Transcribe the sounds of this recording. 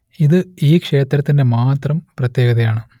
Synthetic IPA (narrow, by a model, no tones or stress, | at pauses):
iðɨiːkʂe̞ːt̪ɾɐt̪ːinde̞maːt̪rɐmprɐt̪je̞ːɡɐðɐjaːɳɨ